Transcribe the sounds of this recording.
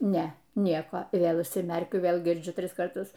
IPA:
ˈnʲɛ ˈnʲiɛkoː ɪ ˈʋʲeːlˠ ʊʃʲsʲɪˈmʲɛrʲkʲʊ ˈʋʲeːlˠ ɡʲɪrʲˈd͡ʒʲʊ ˈtʲrʲɪs kɐrˈtʊs

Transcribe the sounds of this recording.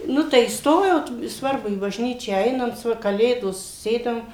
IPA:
ˈnʊ tɐɪ iːsˈtoːjoːt ɪ ˈsʋɐrbʊ iː bɐʒʲˈnʲiːt͡ʃʲæː ˈɛɪnɐnt ˈʋɐ kɐˈlʲeːdoːs ˈsʲeːdɐm

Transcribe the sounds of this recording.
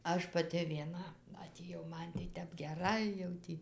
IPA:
ˈɐʃ pɐˈtʲɪ ʋʲiɛˈnɐ ɐtʲeːˈjɛʊ ˈmɐn tɐɪ ˈtʲɛp ɡʲɛˈrɐɪ jɛʊ ˈtʲiː

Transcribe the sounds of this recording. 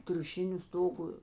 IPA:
tʲrʲʊˈʃʲɪnʲʊ ˈstoːɡʊ

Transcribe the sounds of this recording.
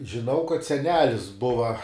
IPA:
ʒʲɪˈnɐʊ kɐt sʲɛˈnʲæːlʲɪs ˈbʊʋɐ

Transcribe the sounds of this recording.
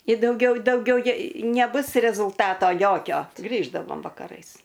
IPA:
ɪ dɐʊˈɡʲɛʊ dɐʊˈɡʲɛʊ ˈjɛ nʲɛˈbʊs rʲɛzʊlˠˈtɑːtoː ˈjoːkʲoː ˈɡrʲiːʒdɐʋoːm ʋɐkɐˈrɐɪs

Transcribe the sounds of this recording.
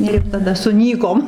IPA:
ɪr tɐˈdɐ sʊˈnʲiːkoːm

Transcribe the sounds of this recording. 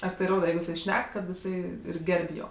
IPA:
ɐr ˈtɐɪ ˈroːdɐ ˈjɛɪɡʊ jɪˈsɐɪ ˈʃʲnʲɛk kɐt jɪˈsɐɪ ɪr ˈɡʲɛrʲpʲ ˈjoː

